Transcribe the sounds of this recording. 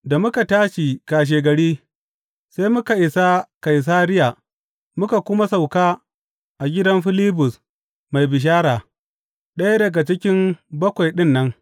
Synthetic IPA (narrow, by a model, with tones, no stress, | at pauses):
da˨mʊ˦ka˨taː˦ʃi˨kaː˨ʃ̬eː˨ɡɐ˨ɽiː˦ | sa˦jmʊ˦ka˨ʔɪ˨sa˦ka˨js̬aː˦ɾɪ˦ja˨ | mʊ˦ka˨kʷʊ˦ma˦sa˨wkaː˦ | ʔa˨ɡʲɪ˦dɐ˦mɸɪ˦liː˦bʊ˨s | ma˨jbɪ˨ʃ̬aː˦ɾaː˨ | ɗɐ˦ja˦dɐ˨ɡa˨t͡ʃɪ˦kʲɪ˦mbɐ˦kʷa˨jɗɪ˦nːɐ˦ŋ